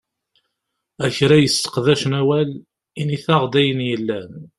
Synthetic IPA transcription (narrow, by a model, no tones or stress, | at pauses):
æçɾæjəst̪ə̥qðæʃnæwæl | iniθɑʁd̪æjənjəlːæn